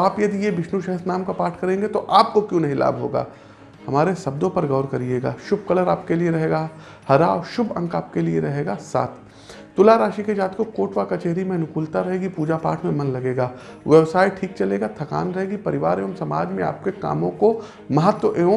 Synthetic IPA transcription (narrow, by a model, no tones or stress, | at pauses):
aːpjɐd̪ijebɪʃnuʃɛɦəsnaːmkapaːɾʈʰkɐɾẽːŋɡet̪oʔaːp̚kokjõːnɐɦĩla̰ːbɦo̰ːɡa̰ː | hɐmaːɾesɐb̚d̪õpɐɾɡɐːɾkɐɾieːɡa̰ːʃʊb̚kɐləɾaːp̚kelieɾɐɦeːɡa | hɐɾaɔʃʊbɐ̰̃ŋkaːp̚kelieɾɐɦeːɡasa̰ːt̪ʰː | ʊlaɾaːʃiked͡ʒaːt̪kokoːʈʋakat͡ʃeɦɾimẽnʊkuːlt̪aɾɐɦeːɡipuːd͡ʒapa̰ːʈʰmẽmɐnlɐɡeːɡaː | ʋɛbsaːɪʈʰiːk̚t͡ʃɐleːɡat̪ʰɐka̰ːnɾɐɦeːɡipɐɾɪʋaːɾeɐmsɐmaːd͡ʒmẽa̰ːp̚keka̰ːmõko | mɐɦət̪wəʔe